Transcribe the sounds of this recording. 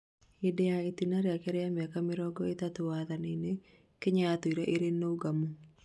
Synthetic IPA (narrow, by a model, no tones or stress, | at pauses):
ɪdɛaet̪inaɾjakɛɾɛjamakamɪɾɔɡɔet̪at̪uwaðanene | kɪɲaːt̪oiɾeʔeɾenːouɡamu